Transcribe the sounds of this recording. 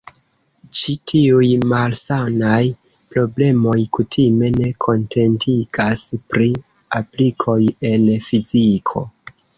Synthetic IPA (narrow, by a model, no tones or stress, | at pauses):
t͡ʃitʰiujmalsanaj | pɾo̞ble̞mo̞jkutʰime̞ne̞kʰo̞nte̞ntʰiɡ̥aspɾi | aplikʰo̞je̞nfizikʰo̞̰